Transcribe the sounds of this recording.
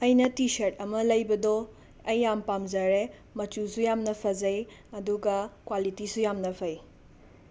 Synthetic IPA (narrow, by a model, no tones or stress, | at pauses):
ɐjnɐtisɐɾt̚ɐmɐlɐjbɐdɔ | ɐjːampamzɐɾe | mɐt͡ʃusujamnɐpʰɐzɐj | ɐduɡɐkwalitisujamnɐpʰɐj